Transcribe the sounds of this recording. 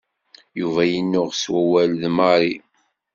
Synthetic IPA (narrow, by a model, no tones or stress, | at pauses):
juvæjənːʊʁswæwælðmɑɾˤi